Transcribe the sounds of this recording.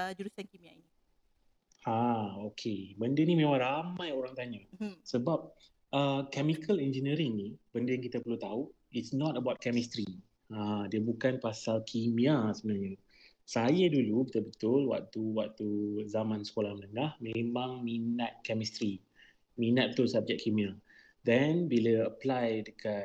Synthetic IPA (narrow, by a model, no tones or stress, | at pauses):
d͡ʒuɾusankimiaini | aokʰebəndənimẽmãŋɾamãjoɾaŋt̪aɲasəbap̚ | əkɛmikʰəlɛnd͡ʒənəɾiŋnib̥əndɪŋkit̪apərlut̪au | itsnɔt̪əbaʊt̪̚kɛmist̪ɾi | ãdiəbukanpasalkʰimĩasəbənarɲə | sajədulubət̪əlbət̪ʊlwa̰k̚t̪uwak̚t̪uzamãnsə̥kolahmənəŋahmẽmãŋminat̪̚kɛmist̪ɾi | minat̪̚bət̪ʊlsab̚d͡ʒɛk̚kʰːimĩa | dɛnbiləəplajdəka